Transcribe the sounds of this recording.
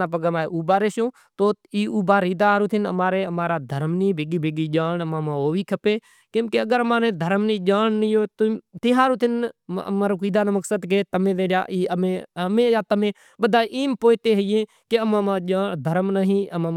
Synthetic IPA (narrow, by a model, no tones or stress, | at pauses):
aːpəɡəmaːeʔuːbaːɾeːsõː | t̪oːiːuːbaːɾiːd̪aːɾuːt̪ʰɪnə̰maːɾeːəmaːɾaːd̪ʱəɾmniːbeːɡiːbʱeːɡiːd͡ʒaːɳəmãːmãːoːʋiːkʰəpeː | kẽmkeəɡəɾəmaːnẽːd̪ʱəɾmnĩːd͡ʒaːɳnəjoːt̪t̪ɪɦaːɾuːt̪ʰɪnə̰maːɾoːkiːd̪aːnːməksəd̪k̬et̪əmẽːd̪eːɾja̰ːʔiːəmeːəmẽːjaːt̪əmẽː | ɓəd̪aːʔiːmpoːt̪eːɦəjẽː | keəmãːmãːʄaːd̪ʱəɾmnəɦĩːəmãː